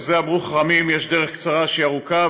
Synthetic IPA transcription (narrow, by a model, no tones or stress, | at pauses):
zeabʁuχʁamimjeʃdeʁeχkt͡saʁaʃiaʁuka